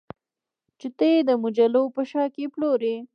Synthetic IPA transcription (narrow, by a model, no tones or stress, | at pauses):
t͡ʃɪt̪ed̪əmʊd͡ʒalopəʃɑkeploɾe